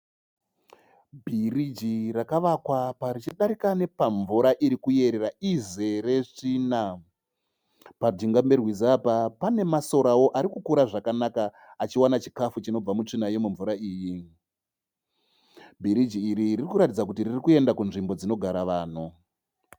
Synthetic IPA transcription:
bʱirid͡ʒirakaʋakwapaɾit͡ʃiɗaɾikane̞paɱvuɾaʔiɾikuje̞ɾeraize̞re̞ʐina | pad͡ʒiŋɡamberwizaːpapane̞maso̞ɾawo̞ʔaɾikukuɾaʐakanakaː | t͡ʃiwanat͡ʃi̥kafut͡ʃino̞b͡vamut͡ʂinajemuɱvuɾaiːji | bʱiɾid͡ʒiːɾiririkuɾatid͡zakutiririkue̞ndakunʐimbo̞d͡zino̞ɡʱaɾaʋaːn̤o

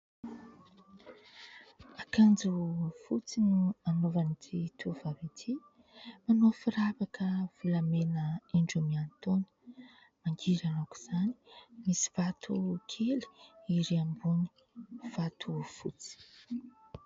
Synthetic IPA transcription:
akand͡zufut͡sinuanovanit̪ʰit̪ʰuv̥avit̪ʰi | manofiɾavakʰəv̥ulamenəeɳɖ͡ʐumiant̪onə̥ | maŋɡiɾanaku̥z̥ani̥misi̥v̥at̪ʰukʰeli̥iɾiambuni̥ | v̥at̪ʰufṵt͡si̥

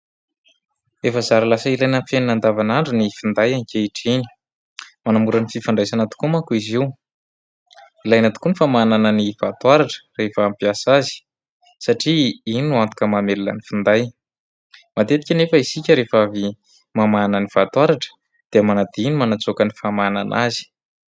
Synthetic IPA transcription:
efəzaɾalasəilajnamfeninand̪avanaɳɖ͡ʐunifind̪ajanikʲeiʈ͡ʂeni̥ | manamuɾənififaɳɖ͡ʐajsanat̪u̥kumakuiziw | ilajnat̪u̥kunifamananənivat̪waɾaʈ͡ʂə̥refəːmpiasazi̥ | saʈ͡ʂiinuant̪ukʲəmamelulə̰nifind̪aj | mat̪et̪i̥kʲanefəisikʲəɾefavi | mamanənifat̪waɾaʈ͡ʂə̥ | d̪̥eamanad̪iinimanat͡sokənifamana̰nʔazi̥

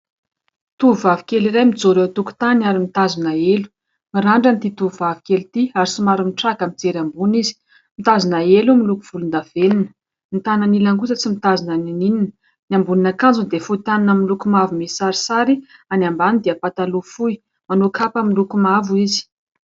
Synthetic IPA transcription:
t̪uvavikeliɾajmid͡zoɾet̪uku̥t̪anaɾimit̪azunaelu̥ | miɾaɳɖ͡ʐant̪it̪uvuvavikʲelit̪iaɾisimaɾumiʈ͡ʂakamid͡zeɾambunizi̥ | mit̪azunaelumilukuv̥ulund̪av̥eninə̥ | mit̪anənilaŋɡut͡sət͡simit̪azinanininin | nambuninakand͡zund̪efuit̪aninamilukumavumesaɾi̥saɾianambanind̪eapat̪alufuj | manukʰapamilukumavuizi̥

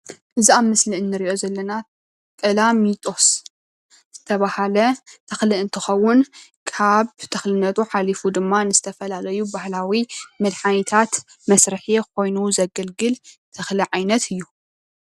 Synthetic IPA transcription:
ʔɨziamɨsliɨnːɨɾiʔo̞zɐlːɐna | kʼɐlamit̪ʼo̞s | z̥ɨt̪ʰɐβahalɐt̪ʰɐxliɨnt̪ʰɨxɐwːʊnkʰaβt̪ʰɐxlɨnːɐt̪ʼuħalifud̪ɨmːanɨzɨt̪ʰɐfɐlalɐjubahlawimɨd̪ħanit̪ʰat̪ | mɐsɾɨħikʰo̞jnuzɐɡɐlɡɨlt̪ʰɐxliʕajnɐt̪ʰɨjːu

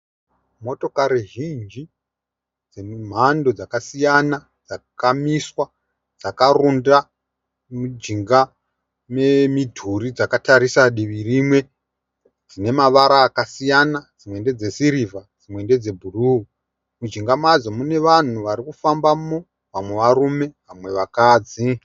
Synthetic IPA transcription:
mo̞to̞kaɾiʒind͡ʒi | d͡zem̤ando̞d͡zakasijana | d͡zakamiswa | d͡zakarunda | mud͡ʒiŋɡa | me̞midʱuɾid͡zakataɾisaɗiʋirimwe̞ | d͡zine̞maʋaɾaːkasijanad͡zimwe̞nde̞d͡ze̞siɾivad͡zimwe̞nde̞d͡ze̞bʱuruu | mud͡ʒiŋɡamad͡zomune̞ʋan̤uʋaɾikufambamo | ʋamwe̞ʋaɾume̞ʋamwe̞ʋakaːd͡zi

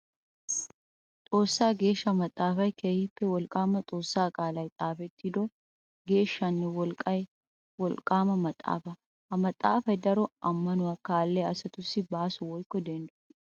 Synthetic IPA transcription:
t̪ʼo̞ːsːaːɡe̞ːʃːɐmɐt̪ʼːaːfɐjkeːhɪpːɛwɔlkʼaːmɐt͡sʼo̞ːsːaːkʼaːlɐjt̪ʼaːfɛt̪ːɪd̪ɔ | ɡe̞ːʃːɐnːɛwɔlkʼːɐj | wɔlkʼːaːmɐmɐt̪ʼːa̰ːfɐ | ɐmɐt̪ʼːaːfɐjd̪ɐɾɔɐmːɐnʊwakaːlːɛɐsɐt̪ʊsːɪbaːsʊwɔjkːɔd̪ɛnd̪ʊ

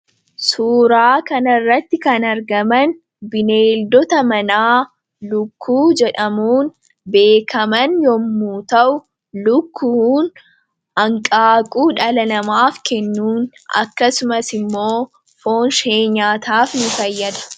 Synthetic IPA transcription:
suːɾaːkɐnɐrːɐt̪ːɪkɐnɐɾɡɐmɐn | bɪneːld̪ɔt̪ɐmɐnaː | lʊkʰːuːd͡ʒɛᶑɐmuːn | be̞ːkʰɐmɐnjɔmːuːt̪ɐʔʊ | lʊkʰːuhːn | ɐŋkʼaːkʼuːᶑɐlɐnɐmaːfkɛnːuːn | ɐ̰kːɐsʊmɐsɪmːo̞ː | fo̞ːnʃeːɲaːt̪aːfnɪfɐjːɐd̪ɐ̥

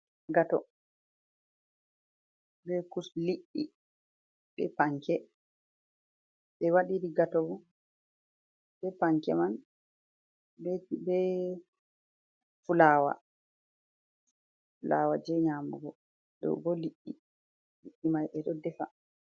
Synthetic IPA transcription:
ɡatɔ | bɛkusliʔːi | bɛpaŋkɛ | ɓɛwaɗiɾiɡatɔbɔ | bɛpaŋkɛ̰man | bɛtibɛ | fulaːwa̰ | fulaːwad͡ʒɛɲamuɡɔ | dɗɔ̰wɡɔliʔːi | liʔːimajʔɛɗɔdɛfa

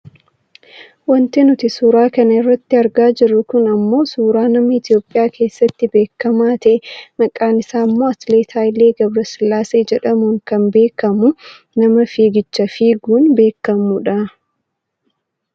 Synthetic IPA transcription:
wɐnt̪ɪnʊt̪ɪsuːɾaːkɐnɐɪrːɐt̪ːɪɐɾɡaːd͡ʒɪrːʊkʊnɐmːo̞ːsuːɾaːnɐmɐɪt̪ɪjo̞ːpʼːɪjaːke̞ːsːɐt̪ːɪbe̞ːkːɐmaːt̪ɐʔɛmɐkʼaːnɪsaːmːo̞ːɐt̪le̞ːt̪ʰaːjɪle̞ːɡɐbɾɐsɪlːaːseːd͡ʒɛᶑɐmuːŋkɐmbe̞ːkːɐmʊ | nɐmɐfiːɡɪt͡ʃːɐfiːɡuːnbe̞ːkːɐmʊᶑɐ

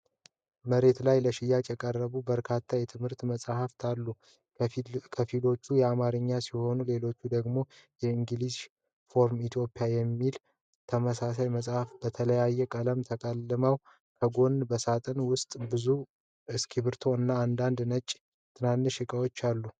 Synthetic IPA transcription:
məɾe̞t̪lajləʃɪjːat͡ʃʼjɛkʼərːəβubəɾkʰat̪ʰːajɛt̪ʰɨmhɨɾt̪məsʼhaft̪ʰalːu | kʰəfilo̞t͡ʃːujɛamaɾɨɲːasiho̞nule̞lo̞t͡ʃːud̪əɡmo̞jɛiŋɡɨliz | fo̞ɾmit̪ʰjo̞pʼijajɛmːil | t̪ʰəməsasajməsʼhafbət̪ʰələjajːɛkʼələmt̪ʰəkʼəlːɨməw | kʰəɡo̞nbəsat̪ʼənwʊst̪ʼbɨzu | ɨskʰiβɨɾt̪ʰo̞ɨnːaːnd̪and̪nət͡ʃʼ | t̪ʰɨnanːɨʃɪkʼəwot͡ʃːalːu

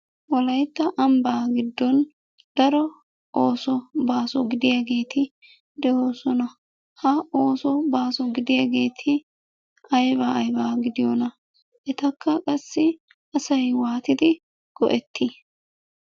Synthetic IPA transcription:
wɔlɐjt̪ːɐʔɐmbaːɡɪd̪ːɔn | d̪̥ɐɾɔ | ʔoːsɔbaːsɔɡɪd̪ɪjɐɡe̞ːt̪ʰɪ | d̪ɛhoːsɔnɐ | hɐoːsɔbaːsɔɡɪd̪ɪjɐɡe̞ːt̪ʰɪ | ʔɐjbɐːjbaːɡɪd̪ɪjɔnɐ | ʔɛt̪ɐkːɐkʼɐsːɪ | ɐsɐjwaːt̪ɪd̪ɪ | ɡ̥ɔ̰ʔɛt̪ːi

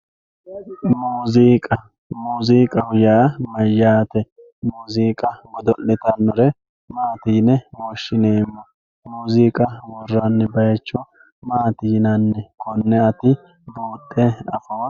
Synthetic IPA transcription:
muːziːkʼɐ | muːziːkʼɐwʊjaːmɐjːaːt̪ɛ | muːziːkʼɐɡɔd̪ɔlːɪt̪ɐnːɔɾɛ | maːt̪iːnɛwoːʃːɪneːɪmːɔ | muːziːkʼɐwɔrːɐnːɛbɐjɐt͡ʃːɔ | maːt̪iːnɐnːɛkʰɔnːɛɐt̪ɪ | boːt̪ʼːɛɐfoː

